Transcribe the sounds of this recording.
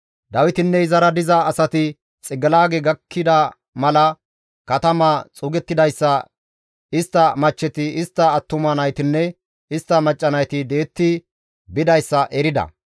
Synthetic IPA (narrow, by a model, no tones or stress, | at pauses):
d̪ɐwɪt̪ɪnːɛɪzɐɾɐd̪ɪzɐːsɐt̪ɪ | t͡sʼɪɡɐlaːɡeɡɐkʰːɪd̪ɐ | mɐlɐ | kɐt̪ɐmɐt͡sʼʊɡɛt̪ːɪd̪ɐjsːɐ | ɪst̪ːɐmɐt͡ʃːɛt̪ɪɪst̪ːɐːt̪ːʊmɐnɐjt̪ɪnːɛ | ɪst̪ːɐmɐt͡ʃʼːɐnɐjt̪ɪd̪e̞ːt̪ːɪ | bɪd̪ɐjsːɐʔɛɾɪd̪ɐ̰